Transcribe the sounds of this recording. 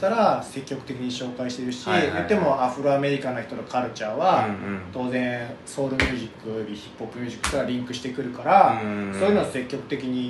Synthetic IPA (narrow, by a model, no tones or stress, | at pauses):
t̪aɾase̞kʲːo̞kɯ̥t̪e̞kʲiɲiɕo̞ːkaiɕi̥t̪eiɾɯ̟ɕijot̪ːe̞mo̞ʔaɸɯ̟ɾoame̞ɾʲikanoçi̥t̪o̞t̪okaɾɯ̟t͡ɕaːβat̪o̞ːzẽ̞ɰ̃so̞ːɾɯ̟mʲɨːʑikːɯ̟ɾʲiçi̥pːo̞pːɯ̟mʲɨːʑikːɯ̟̥k̪oɾaɾʲĩŋkɯ̟ɕi̥t̪e̞kɯ̟ɾɯ̟kaɾaso̞ːjɯnose̞kʲːo̞kɯ̟t̪e̞kʲiɲ̟i